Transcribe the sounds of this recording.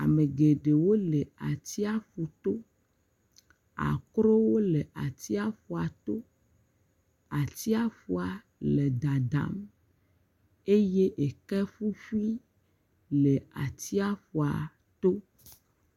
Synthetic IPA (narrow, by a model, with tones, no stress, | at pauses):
a̰˨me˨ɡe˨ɖe˨wo˦le˨a̰˨t̪i˦a˦ɸu˨t̪o˦ | a̰˨kɾo˦wo˦le˨ʔa˨t̪i˦a˦ɸu˨a˨t̪o˦ | a˨t̪i˦a˦fu˦a˨ | le˨d̪a˨d̪a̰˨˦m | e˦je˦ʔe˨kɛ˦ɸu˦fi˦ | le˨a̰˨t̪i˦a˦fu˨a˨ | t̪o˦